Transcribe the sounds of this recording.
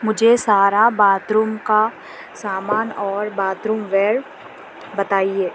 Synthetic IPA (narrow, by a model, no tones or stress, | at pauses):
mʊd͡ʒʱesaːɾabaːt̪ɾumka | saːmaːnɔːɾbaːt̪ɾumʋɛːɾ | bɐt̪aːieː